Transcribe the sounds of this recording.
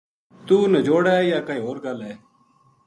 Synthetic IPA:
t̪uːnəd͡ʒoːɽaːjaːkəiːɦoːɾɡəlɛː

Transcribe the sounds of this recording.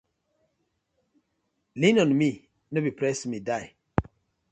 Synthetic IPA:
linɔ̃nmi | nobipɾɛsmidaɪ

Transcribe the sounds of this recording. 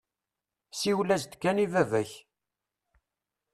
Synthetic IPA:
siwlæzd̪kːænivævæç

